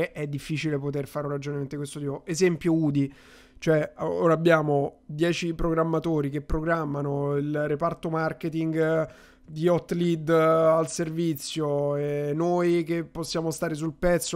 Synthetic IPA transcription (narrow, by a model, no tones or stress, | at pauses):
ʔɛd̪ːifːiːt͡ʃilepot̪erfaɾoɾad͡ʒonement̪ekwest̪ot̪iːpoezɛmpjouːd̪i | t͡ʃoɛoːɾaːbːjaːmod̪jɛːt͡ʃipɾoɡɾamːat̪oːɾikepːɾoɡɾamːanoilrepart̪omarket̪iŋɡ | d̪iɔt̪ːlid̪alservit̪sːjoenːojkepːosːjaːmost̪aːɾes̬ulpɛt̪sːo